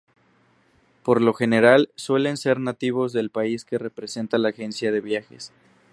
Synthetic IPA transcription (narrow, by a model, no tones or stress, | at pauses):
po̞ɾlo̞xe̞ne̞ɾalswe̞le̞nse̞ɾnat̪iβ̞o̞zðe̞lpaiske̞re̞pɾe̞se̞nt̪alaːxe̞nsjaðe̞βjaxe̞̰s